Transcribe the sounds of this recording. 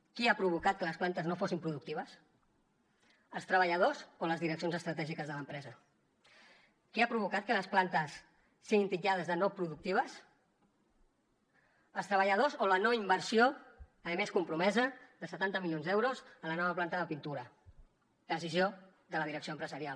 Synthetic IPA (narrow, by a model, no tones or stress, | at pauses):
kiapɾuβ̞ukat̪̚kələsplant̪əznofosimpɾuðuk̚t̪iβəs | əlˠst̪ɾəβəʎəðozoləzðiɾəks̬jonzəst̪ɾət̪ɛʒikəzðələmpɾɛzə | kiapɾuβ̞ukat̪̚kələsplant̪əsː | iɣint̪id͡ʒað̞əzðənopɾuðuk̚t̪iβ̞əs | əlˠst̪ɾəβəʎəðozolənoimbəɾsio | əmeskumpɾumɛzəðəsət̪ant̪əmiljonzðɛwɾozələnɔβ̞əplant̪əðəpint̪uɾə | d̪əsizjo | ðələðiɾəksioəmpɾəzəɾial